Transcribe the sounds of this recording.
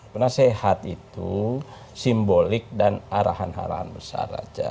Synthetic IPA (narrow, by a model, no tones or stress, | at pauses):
prnasɛhat̪it̪u | simbolik̚danaɾaɦanha̰ɾa̰ha̰nbəsa̰ra̰d͡ʒa